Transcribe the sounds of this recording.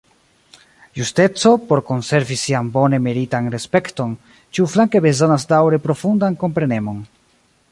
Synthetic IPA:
juste̞t͡so̞po̞ɾko̞nse̞ɾvisiambo̞ne̞meɾitanɾe̞spe̞kto̞n | t͡ʃiuflaŋke̞be̞zo̞nasdawɾe̞pɾo̞fundanko̞mpɾe̞ne̞mo̞n

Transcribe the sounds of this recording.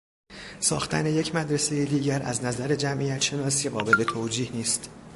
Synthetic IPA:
sɒːxt̪ʰæ̰ne̞je̞cʰmæd̪ɾese̞jed̪iːɟæɾʔæ̰znæzæɾe̞d͡ʒæmʔijæt̪ʃe̞nɒːsiːɣɒːbe̞le̞t̪ʰoːd͡ʒiːhniːst̪

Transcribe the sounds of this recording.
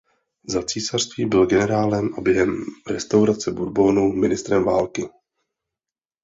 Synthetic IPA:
zat͡siːsar̥st̪viːbɪlɡɛnɛɾaːlɛmʔabjɛɦɛmɾɛst̪awɾat͡sɛbudbo̞numɪnɪst̪ɾɛmvaːlkɪ

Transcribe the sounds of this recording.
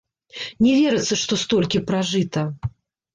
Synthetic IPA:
nʲɛvʲɛɾɨt̪sːɐʂt̪ɔst̪ɔlʲkʲipɾaʐɨt̪ɐ

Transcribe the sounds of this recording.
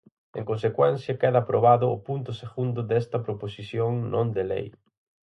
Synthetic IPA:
ḛŋkonsekwɛn̟θjɐkɛðɐːpɾoβaðʊːpunt̪ʊseɣund̪ʊðɛst̪ɐpɾoposiθjoŋnʔõnd̪elɛ̰j

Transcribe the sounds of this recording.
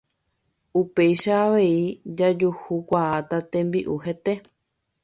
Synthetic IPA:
upe̞jʃaːʋe̞id͡ʒad͡ʒuhukʷaat̪at̪ẽ̞mbiʔuhe̞t̪e̞

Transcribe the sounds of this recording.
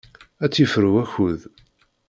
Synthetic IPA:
æt͡sːifəɾwæçuð

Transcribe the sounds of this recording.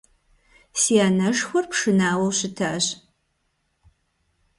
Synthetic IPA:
siaːnɐʂxʷɔrpʂɨnaːwɐwɕɪtʰaːʑ

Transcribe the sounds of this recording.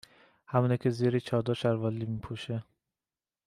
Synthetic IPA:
hæmuːnecʰeziːɾit͡ʃʰɒːd̪oʃæɾvɒlːimiːpʰuʃe

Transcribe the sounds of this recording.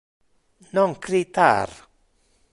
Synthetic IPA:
nɔŋkʰɾit̪a̰ɾ

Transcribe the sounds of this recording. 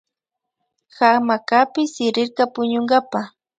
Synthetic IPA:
xamakapɪsɪɾɪɾkapʊɲʊŋɡapa

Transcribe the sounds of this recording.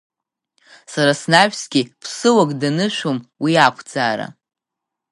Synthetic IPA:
saɾasnaɥᶣsɡʲipʰsɨwakʼdanɨʃᶣʷomwiakʷʰd͡zaːɾa̰

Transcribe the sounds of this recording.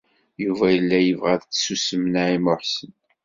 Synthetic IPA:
juvæjəlːæjəvʁæðt͡sːsusəmənaimʊħsən

